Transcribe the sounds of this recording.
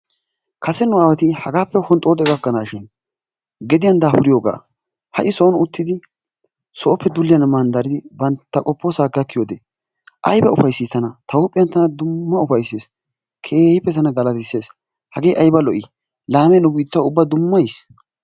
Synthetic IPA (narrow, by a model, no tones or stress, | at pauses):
kʰɐsɛnʊaːwɛt̪ɪhɐɡaːpːɛhɔnt̪ʼoːd̪ɛɡɐkːɐnaːʃɪn | ɡɛd̪ɪjɐnd̪aːhʊɾɪjoːɡa̰ː | hɐ̰ʔɪsɔːnʊt̪ːɪd̪ɪ | sɔʔɔpːɛd̪ʊlːɪjɐnmɐnd̪ɐɾɪd̪ɪbɐnt̪ːɐkʼɔpːoːsaːɡɐkːɪjoːd̪e | ʔɐjbɐʊfɐjsːiːt̪ːɐnɐt̪ɐwʊpʼɪjɐnt̪ɐnɐd̪ʊmːɐʊfɐjseːs | kʰe̞ːhɪpːɛt̪ɐnɐɡɐlɐt̪ɪsːeːs | hɐɡe̞ːʔɐjbɐlɔʔɪ | laːmɛnʊbiːt̪ːɐʊbːad̪ʊmːɐjs